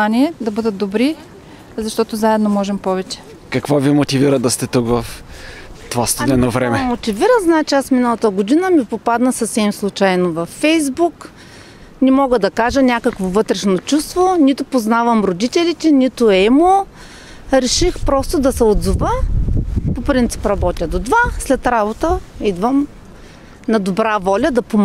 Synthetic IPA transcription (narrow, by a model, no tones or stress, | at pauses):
aniɛd̪ɐbɤd̪ət̪̚d̪obɾi | zɐʃt̪ɔt̪ozaɛd̪nomɔʒɛmpɔvɛt͡ʃɛ̥ | kɐkvovimot̪iviɾəd̪ɐst̪ɛt̪ukvɐf | t̪ovast̪id̪ɛnovɾɛmɛmot̪iviɾəznaɛt͡ʃɛasminəlˠɐt̪əɡod̪inəmipopad̪nəsɐfsɛmslˠut͡ʃajnovɐfːɛjzbuk | nɛmɔɡəd̪ɐkaʒənʲakəkvovɤt̪ɾɛʃnot͡ʃust̪vonit̪ʊpoznavɐmɾod̪it̪ɛlit̪ɛnit̪ʊɛmo | ɾɛʃixpɾɔst̪od̪ɐsɛod̪zuvə | popɾint̪si̥pɾɐbɔt̪ʲəd̪od̪vaslɛt̪ɾabot̪əid̪vəm | nɐd̪obɾavɔlʲɐd̪ɐpom